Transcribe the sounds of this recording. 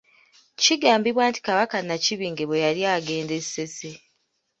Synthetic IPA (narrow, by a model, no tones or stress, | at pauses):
ciɡaːmbiβwaːnti̥kaβakanaciβiːŋɡe̞βwejaɾjaːɡe̞ːnde̞̥se̞se